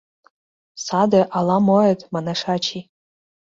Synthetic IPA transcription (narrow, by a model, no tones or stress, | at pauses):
sad̪aʔalamoetʼmanaʂat͡ʃʰi